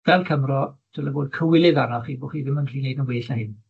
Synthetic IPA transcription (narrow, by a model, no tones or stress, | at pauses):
vɛlˠkʰəmrɔtʰɪlˠəvoːd̚kʰəwɪlˠɪðanɔχiːboχiːðɪmənkʰl̥iːnejdənweːɬnahɪn